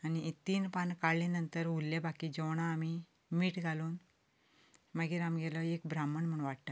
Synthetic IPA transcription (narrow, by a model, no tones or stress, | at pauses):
anit̪iːnpankaɭlĩnənt̪əɾulːebakid͡ʑɔwɳ̃aːmi | miːʈɡʱaluːn | məɡiːɾamɡɛlɔekbɾaməɳm̤əɳʋaʈt̪a